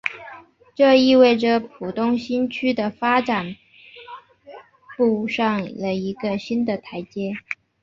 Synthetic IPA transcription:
ʈ͡ʂɤ˥˧i˥˧we˥˩ɪʈ͡ʂə˨˩pʰu˨˩t̪ʊ˥ŋɕi˥nt͡ɕʰy˥d̪ə˨fa˥ʈ͡ʂa˨˩n | pu˥˧ʂɑ˥˩ŋlə˩i˧˥ɡə˧ɕi˥nd̪ə˨t̪ʰa˧˥ɪt͡ɕjɛ˥

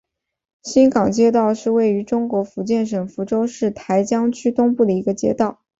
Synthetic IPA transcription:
ɕi˥nkɑ˨˩ŋt͡ɕjɛ˥t̪ɑ˥˧ʊʂɻ̩˥˧we˥˩ɪy˧˥ʈ͡ʂʊ˥ŋkwɔ˧˥fu˧˥t͡ɕjɛ˥˩nʂ̬ə˨˩ŋfu˧˥ʈ͡ʂo˥ʊʂɻ̩˥˩t̪ʰa˧˥ɪt͡ɕjɑ˥ŋt͡ɕʰy˥t̪ʊ˥ŋpu˥˩d̪ə˩i˧˥ɡə˧t͡ɕjɛ̰˥t̪ɑ˥˩ʊ

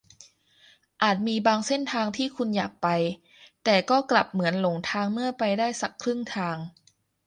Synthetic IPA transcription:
ʔaː˨˩t̪̚miː˧baː˧ŋse˥˩nt̪ʰaː˧ŋt̪ʰiː˥˩kʰu˧njaː˨˩k̚pa˧j | t̪ɛː˨˩kɔː˥˩kla˨˩p̚mɯ˩˦ənlo˩˦ŋt̪ʰaː˧ŋmɯ˥˩ɐpa˧jdaː˥˩jsa˨˩kʰɾɯ˥˩ŋt̪ʰaː˧ŋ

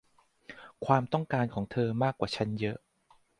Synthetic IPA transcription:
kʰwaː˧mt̪ɔ˥˩ŋkaː˧nkʰɔː˩˦ŋt̪ʰɤː˧maː˥˩kwaː˨˩t͡ɕʰa˦˥njɤ˦˥ʔ

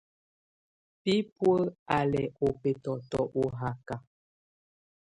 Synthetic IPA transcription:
pi˦pwə˦a˨lɛ˨o˨pe˨tɔ˨tɔ˨ʔo˨ɦa˨ka˨

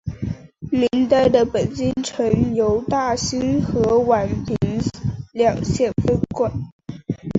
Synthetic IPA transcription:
mi˧˥nt̪a˥˩ɪd̪ə˨pə˨˩nt͡ɕi˥nʈ͡ʂʰə˧˥ŋjo˧˥ʊt̪a˥˩ɕi˥nxɤ˧˥wa˨˩npʰi˧˥ŋljɑ˨˩ŋɕjɛ˥˩nfə˥nkwa˥˩n

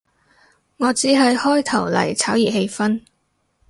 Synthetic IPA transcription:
ŋɔː˨˧t͡siː˨˥ɦɐ˨jhɔː˥jt̪ʰɐ˨˩wlɐ̰˨˩jt͡sʰaː˨˥wjiː˨p̚he˧jfɐ˥n

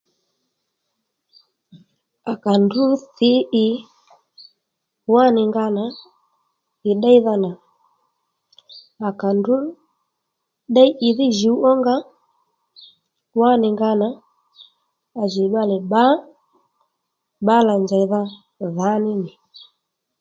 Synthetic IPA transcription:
a˨ka˨ndu˦θi˦ʔi˨ | wa˦nɪ˨ŋɡa˦na˨ | i˨ɗa˦i˦ða˧na˨ | a˨ka˨ndu˦ | ɗa˦i˦ʔi˨ði˦ʒi˨u˦ɔ˦ŋɡa˦ | wa˦nɪ˨ŋɡa˦na˨ | ʒi˨ɓa˦lɛ˨ɓa˦ | ɓa˦la˨nd͡ʒa˨i˨ða˦ | ða˨˦nɪ˦ni˨

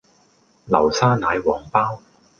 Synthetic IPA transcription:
lɐ̰˨˩wsaː˥naː˨˧jwɔː˨˥ŋpaː˥w

